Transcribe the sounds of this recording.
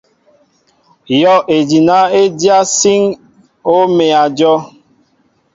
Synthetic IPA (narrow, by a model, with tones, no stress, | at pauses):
jɔ˦ʔe˨d͡ʒi˨na˦e˦dja˦si˦ŋ | o˦me˨a˨d͡ʒɔ˦